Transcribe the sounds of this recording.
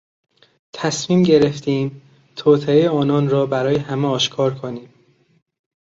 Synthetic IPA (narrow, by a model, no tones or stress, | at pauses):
t̪ʰæsmiːmɟe̞ɾe̞ft̪ʰiːm | t̪ʰoːt̪ʰeejeɒːnɒːnɾɒːbæɾɒːjehæmeɒːʃkʰɒːɾkʰoniːm